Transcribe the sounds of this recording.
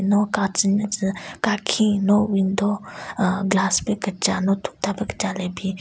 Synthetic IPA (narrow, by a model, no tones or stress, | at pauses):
nɔkat͡ʃənt͡ʃkaːkʰĩnoʋind̪o | ɡlaːspekət͡ʃanot̪ʰu̥k̚t̪apekə̥t͡ʃaːlebʱi